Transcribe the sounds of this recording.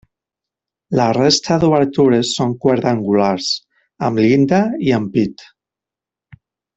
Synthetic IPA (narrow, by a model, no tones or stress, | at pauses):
larest̪ʰaðuβəɾt̪uɾesːoŋkweɾðaŋɡulaɾs | əmlind̪aiəmpit̪